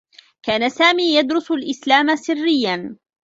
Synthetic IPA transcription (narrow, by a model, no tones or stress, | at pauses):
kaːnasaːmiːjad̪ɾʊsʊlʔɪslaːmasɪrːɪjːan